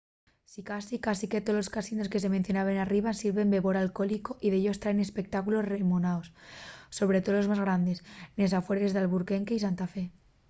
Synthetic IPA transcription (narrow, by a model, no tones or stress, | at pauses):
sikasikasike̞t̪o̞lo̞skasino̞ske̞se̞menθjo̞naβenariβansiɾβe̞mbe̞βo̞ɾalko̞liko̞ʔiðeʎo̞st̪ɾaene̞spe̞k̚t̪akulo̞sremonaosːo̞β̞ɾe̞t̪oolo̞zmazɣ̞ɾand̪e̞snes̬afwe̞ɾezðalβuɾke̞ŋkeisant̪afe̞